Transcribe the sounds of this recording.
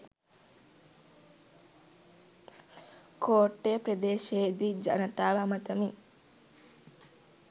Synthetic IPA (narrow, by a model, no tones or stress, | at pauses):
koːʈːeːpɾɐd̪eːʃeːd̪id͡ʒɐ̰nɐt̪aːʋɐmɐt̪ɐmi